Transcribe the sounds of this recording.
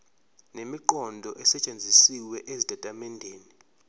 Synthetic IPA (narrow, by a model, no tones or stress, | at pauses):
nemiǃɔndʱɔʔɛsɛt͡ʃʼend͡zʱisiwɛʔezidʱʼatʼamɛndʱeːni